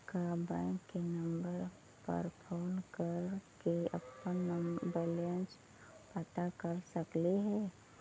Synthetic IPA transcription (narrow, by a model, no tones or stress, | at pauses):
kabãɪŋkːenəmbəɾ | pə̰ɾpʰoːnkəɾkeə̰pːənːəmbəlent͡ʃ | pət̪akəɾsəkliɦɛː